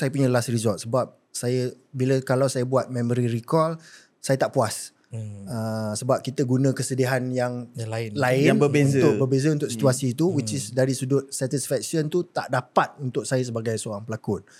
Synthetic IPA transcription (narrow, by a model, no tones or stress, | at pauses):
sajəpuɲə̃lasrizɔlt̪̚səbap̚ | sajə | biləkalawsajəbuat̪̚mɛ̃məɾirikɔl | sajət̪aʔpuas | əsəbap̚kit̪əɡunə̃kəsədiɦanjaŋaɪnlaɪnbəbeunt̪ʊk̚bərbezəunt̪ʊksit̪uasit̪uwit͡ʃisdaɾisudʊt̪̚sɛt̪isfɛk̚sənt̪ut̪a̰ʔdapat̪̚unt̪ʊk̚sajəs̬əbaɡajsəoɾaŋpəlakʊn̚